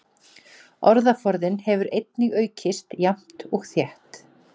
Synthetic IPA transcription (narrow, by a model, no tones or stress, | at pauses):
ɔɾðafɔɾðɪnhɛvʏɾejt̪nɪɣœːɥcʰɪst̪jam̥t̪ɔɣθjɛht̪